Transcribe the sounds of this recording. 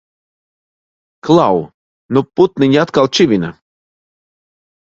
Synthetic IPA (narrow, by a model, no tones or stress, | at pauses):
klˠaw | nɔput̪̚nɨnʲat̪kalˠt͡ʃivʲina